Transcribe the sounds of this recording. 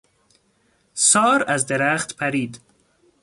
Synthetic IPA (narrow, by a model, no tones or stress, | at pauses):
sɒːɾæzd̪eɾæχt̪pʰæɾiːd̪